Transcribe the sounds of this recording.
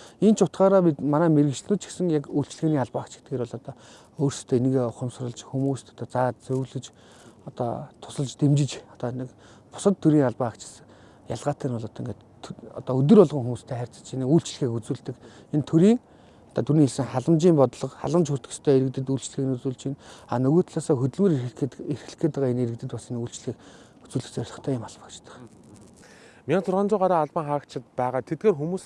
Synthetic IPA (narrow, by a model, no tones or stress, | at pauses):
ent͡ɕʰʊt̪χɢaːɾaːpʲit̪manæːmeɾɣɘ̆kt͡ɕ̆ɮnuːt̪t͡ɕʰi̥xsɘ̆ŋjakuɬt͡ɕ̆ɮɣeːniːŋaɮpaːakt͡ɕɡe̥t̪ɡeːɾwɔɮɔt̪ɔː | oːrst̪ʰeːinɘ̆ɣeʊχə̆msrə̆ɮt͡ɕxumuːst̪ʰɔ̥t̪ɔːt͡saːt͡sɵwɮɘ̆t͡ɕ | ɔt̪ɔ̰t̪ʰʊ̥sə̆ɮt͡ɕt̪emt͡ɕɪ̆t͡ɕɔt̪ɔnɘ̆k | pʊ̥sə̆t̪ʰːɵɾiːŋaɮpaːakt͡ɕʰɪ̥̆s | jaɮʁaːt̪ʰeːnʊɮɔt̪ḭ̆ŋɡet̪ʰ | ɔ̰t̪ɔɵt̪̬ɵ̆rʊɮʁə̆ŋxumuːst̪ʰæːχær̥ʲt͡sə̥̆t͡ɕʰinɘ̆kujɬt͡ɕ̆ɮ̆xeːkut͡suːɮt̪ɘ̆k | ent̪ʰɵɾiːŋ | ɔ̥t̪ʰaːt̪ʰuɾniːeɮsɘ̆ŋχaɮə̆mt͡ɕiːmpɔt̪ɮɞ̆qχa̰ɮə̆mt͡ɕxʊr̥t̪k̆st̪ʰœːeɾɘ̆kt̪ɘ̆t̪uːɬt͡ɕ̆ɮxɘːknut͡suːɮt͡ɕina̰nɵɣoːt̪ʰɮaːsɔːxɵt̪ɵ̆ɮmɘ̆ɾirxɘ̆ɬkeːt̪əʁaːeneɾɘ̆k̚t̪ɘ̆t̪pasinuːɬt͡ɕɮxiːk | u̥t͡suːɮɘ̆xt͡sœɾʲɮɞ̆χt̪ʰœːjɪmaɮpə̥̆kt͡ɕt̪ə̥̆χ | mʲit͡sʰʊrʁaːnt͡ɕʊːʁaɾaːaɮpə̆ŋχakt͡ɕʰɪ̆t̪pæːʁaːt̪ʰet̪̚ɡeːrxumuːs